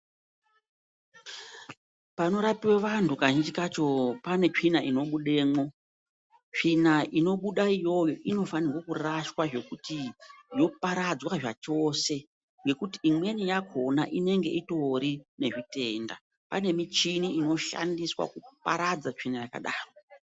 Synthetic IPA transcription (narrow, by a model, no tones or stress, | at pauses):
pano̞ɾapiweʋantukaɲit͡ʃikat͡ʃo̞pane̞t͡ʂinaino̞ɓuɗe̞ːmo̞ | t͡ʂinaʔino̞ɓuɗaijo̞joʔino̞fanirwakuraʃwaʐe̞kutijo̞paɾad͡zwaʐat͡ʃo̞ːse̞ | ŋɡe̞kutiːmwe̞nijakʰo̞naʔine̞ŋɡe̞ito̞ɾine̞ʐite̞nda̰ | pa̰ne̞mit͡ʃiniino̞ʃa̰ndiswa̰kupa̰ɾad͡zat͡ʂinajaka̰ɗaːro